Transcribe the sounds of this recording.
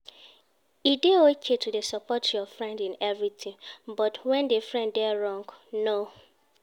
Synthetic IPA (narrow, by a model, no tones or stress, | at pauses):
ideot͡ʃʰetʰudesɔpɔtjɔfɹɛ̃ndĩnɛvɹitʰɪ̃ŋbɔtwɛ̃ndefɹɛ̃nddɛɹɔ̃ŋɡno